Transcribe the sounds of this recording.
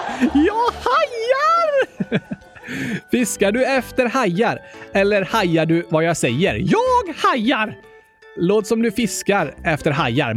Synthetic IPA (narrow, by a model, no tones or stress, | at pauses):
jɑːhajaɾ | fɪskaɖɵɛft̪əɾhajːaɾɛlːəɾhajːaɖɵvajɑːɡsɛjːə̰ɾjɑːɡhajːaɾ | loːt̪sɔmd̪ɵfɪskaɾɛft̪əɾɦajːa̰ɾ